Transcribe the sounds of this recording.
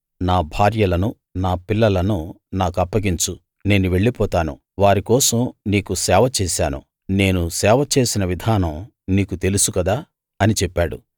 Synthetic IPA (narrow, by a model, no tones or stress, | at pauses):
naːbʱaːɾjɐlɐnu | naːpilːɐlɐnu | naːkuɐpːɐɡiɲt͡ʃu | ne̞ːnuʋe̞ɭːipɔːt̪aːnṵ | ʋaːɾikɔːsɐmniːkusɛːʋɐt͡ʃɛːsaːnṵ | ne̞ːnusɛːʋɐt͡ʃe̞ːsinɐʋid̪ʱaːnɐm | niːkut̪e̞lusukɐd̪aː | ɐnit͡ʃɛpːaːɽṵ